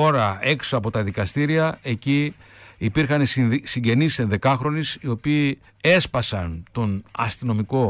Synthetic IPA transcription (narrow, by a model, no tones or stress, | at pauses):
o̞ɾɐe̞ksoɐpo̞t̪ɐðikɐst̪iɾiɐe̞ciipiɾxɐnisiɲɟe̞nisse̞nðe̞kɐxɾo̞nisio̞piː | e̞spɐsɐnt̪o̞nɐ̰st̪ino̞miko̞